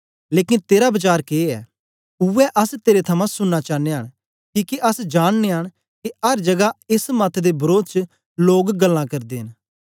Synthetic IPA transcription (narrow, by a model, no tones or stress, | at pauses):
leːkɪnt̪eːɾabɐt͡ʃaːɾkeːɛ̰ː | ʊɛʔɐst̪eːɾet̪ʰɐmãsʊnːat͡ʃaːneɦəɽ̃ | kiːkeʔɐsd͡ʒaːɽneɦəɽ̃ | kiɐɾd͡ʒɐɡaɪsmɐt̪ʰd̪ebɐɾoːd̪̚t͡ʃ | loːɡɡəlːãkɐɾd̪eːɦɪn